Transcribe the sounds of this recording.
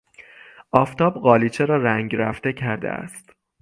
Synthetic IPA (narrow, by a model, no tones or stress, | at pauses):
ʔɒːft̪ɒːbɢɒːliːt͡ʃʰeɾɒːɾæŋɟɾæft̪e̞cʰæɾd̪ḛæ̰st̪